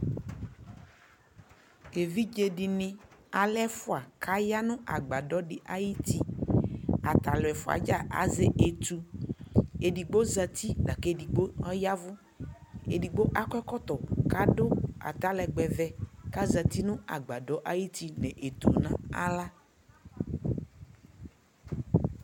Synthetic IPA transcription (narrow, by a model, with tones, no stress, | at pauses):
ke˨vi˦d͡ʒe˨ɖi˨nɪ̃˦a˨lɛ˦fʊ˦a˨kʰa˦ja˦nʊ̃˦ʔa˨ɡ͡ba˨ɖɔ˦ɖɪ˨ʔa˨ji˦t̪i˦ | a˨t̪a˨lɛ˨fʊ˦a̰˨d͡ʒa˦ʔa̰˨ze˦ʔe˨t̪u˨ | e˨ɖi˨ɡ͡bo˦za˨t̪i˦da˨ke˦ɖi˨ɡ͡bo˦ɔ˦ja˦vʊ˦ | ḛ˨ɖi˨ɡ͡bo˦ʔa˦kɛ˦kɔ˦t̪ɔ˨ka˦ɖo˦a̰˨t̪a˦lɛ˨ɡ͡bɛ˨vɛ˦ka˦za˨t̪i˦nʊ̃˦a̰˨ɡ͡ba˨ɖɔ˦ʔa˨ji˦t̪i˦nɛ̃˨ʔe˨t̪u˨nã˨a̰˦la˦